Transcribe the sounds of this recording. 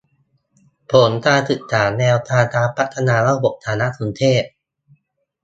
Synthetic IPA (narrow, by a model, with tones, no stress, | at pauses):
pʰo˩˦nt̪aː˧t̪ɯ˨˩k̪̚sʰaː˩˦nɛː˧wt̪aː˧t̪aː˧pʰa˦˥t̪ʰːa˧naː˧ɾa˥˩bo˨˩p̚t̪ʰaː˩˦na˦˥ʔsʰu˩˦nt̪ʰeː˥˩p̚